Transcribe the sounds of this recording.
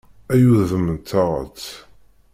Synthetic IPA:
æjuððəmənt̪ʰɑʁə̰t͡sː

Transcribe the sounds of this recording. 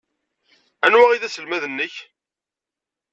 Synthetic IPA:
ænwæʁiðæsəlmæðənːəç

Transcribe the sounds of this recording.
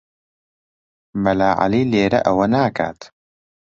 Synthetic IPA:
mɐlaːʕa̰liːleːɾɐ̰ʔɐwɐnaːkʰa̰ːt̪

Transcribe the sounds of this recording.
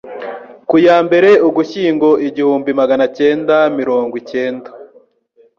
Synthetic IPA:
kujaːmbe̞ɾe̞uɡuçiːŋɡo̞ʔiɟihuːmbimaɡanace̞ːndamiɾo̞ːŋɡwice̞ːnda

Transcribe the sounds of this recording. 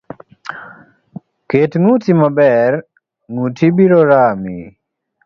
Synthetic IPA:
ketŋutimabɛɾ | nutʰibiɾɔɾaːmi

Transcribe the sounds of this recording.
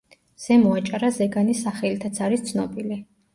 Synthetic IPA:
z̥ɛmɔat͡ʃʼaɾazɛɡanisaχɛlit̪ʰat̪sʰaɾist̪sʰnɔbili

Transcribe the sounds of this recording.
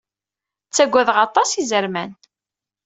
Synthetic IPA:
t͡sːæɡʷːæðʁɑt̪ˤɑsizəɾmæn

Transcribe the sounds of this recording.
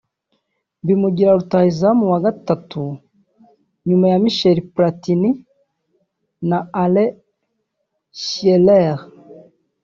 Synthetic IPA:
bimuɡiɾaɾutaizamuwaɡatatu | ɲumajamiʃeɾipɾatini | naale | ʃieleʁ

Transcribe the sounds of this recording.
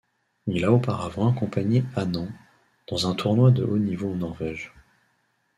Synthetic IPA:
ilaopaʁavɑ̃akɔ̃paɲeanɑ̃ | d̪̥ɑ̃zɛ̃t̪ʰuʁnwad̪əʔonivoɑ̃nɔʁvɛʒ

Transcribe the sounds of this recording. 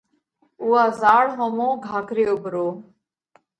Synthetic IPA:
uːaːzaːɽɦõːmõːɡʱaːkɾeːobʱɾoː

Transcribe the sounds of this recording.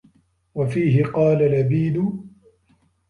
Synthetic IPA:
wafiːɦɪqɑːlalabiːd̪ʊ

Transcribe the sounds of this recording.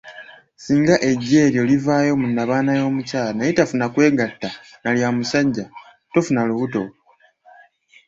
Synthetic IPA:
siːŋɡaʔe̞ɟːe̞ːɾjo̞livaːjo̞munːaβaːnajo̞ːmucaːlanajitafunakwe̞ːɡatːa | naljamusaɟːa | to̞funaluβuto̞

